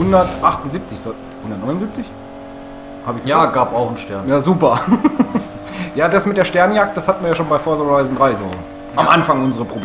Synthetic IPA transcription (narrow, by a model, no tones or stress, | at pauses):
hʊndɐtʔaχtʊn̩zip̚t͡sɪçz | hʊndɐt̚nɔʏnzip̚t͡sɪç | haːbɪçjaːɡaːpaʊxn̩ʃtɛɐnjaːzuːpɐ | jaːdasmɪt̚d̥eːɐʃtɛɐnjak̚t̚d̥ashatn̩viɐjaːʃoːnbaɪfoːɐzɔʁaɪzn̩dʁaɪzoː | ʔamʔa̰nfaŋʔʊnzəʁəpʁ̥oblː